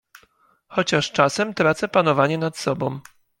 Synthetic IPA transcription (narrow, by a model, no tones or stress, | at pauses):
xɔt͡ɕaʂt͡ʂasɛmt̪ɾat̪sɛpanɔvaɲɛnat̪sɔbɔ̃w̃